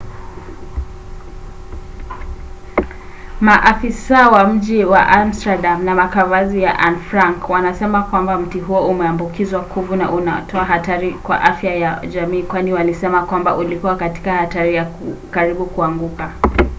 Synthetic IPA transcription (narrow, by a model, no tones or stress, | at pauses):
maʔafisawam̩ʄiwa̰ʔamstaɗamnamakavazija̰ʔanfɾaŋkwanasɛmakwambam̩tiɦuɔumɛambukizwakʰuvuna̰ʔunatʰɔaɦataɾikwa̰ʔafjajaʄamiːkwaniwalisɛmakwambaʔulikuwakati̥kahataɾijakaɾiɓukuaŋɡuka